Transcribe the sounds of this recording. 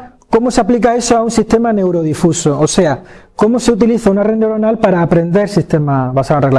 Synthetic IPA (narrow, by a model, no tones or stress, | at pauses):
ko̞moseaplik̬aesoaunsist̪e̞mane̞wɾo̞ð̞ifusoose̞a | ko̞mose̞ut̪̬iliθaunarend̪aoɾonalpaɾaːpɾẽ̞nd̪e̞ɾsist̪e̞maβasaonreɣl